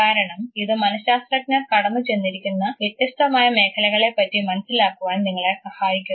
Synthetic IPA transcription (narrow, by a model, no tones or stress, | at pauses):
aːɾɐɳɐmiðɨmɐnɐaːst̪rɐk̚nɐrkɐɽɐnːut͡ɕe̞nːiɾikʲːunːɐʋet̪ːjɐsʈɐmaːjɐme̞ːkʰɐlɐɣɐɭe̞pːɐtːimɐnɐsilaːkːuʋaːnniŋːɐɭesɐhaːjikʲːu